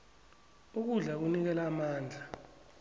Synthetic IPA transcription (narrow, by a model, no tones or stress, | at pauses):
uk̬uɮak̬unik̬ɛlamaːnd͡ɮʱa